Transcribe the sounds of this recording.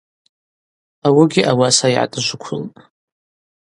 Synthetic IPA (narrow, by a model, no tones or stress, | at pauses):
awɪɡʲɪʔawasaiʕa̰tʼɨʒʷʊkʷʰʊltʼ